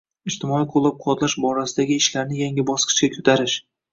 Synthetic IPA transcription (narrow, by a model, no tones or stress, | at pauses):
ɪd͡ʒt̪ʰɪmɒiqʰolˠːap̚qʰʊwɒt̪laʃbɒɾasɪd̪aɡʲɪːʃlaɾnɪjaŋʲɪbɒsqʰɨ̥ʃɡʲakʲʰɵt̪ʰaɾɪʃ